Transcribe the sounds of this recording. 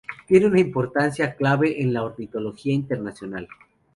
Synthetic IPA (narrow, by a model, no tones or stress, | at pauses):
t̪je̞neunaimpo̞ɾt̪ansjaklaβe̞ʔenlaoɾnit̪o̞lo̞xiaint̪e̞ɾnasjo̞nal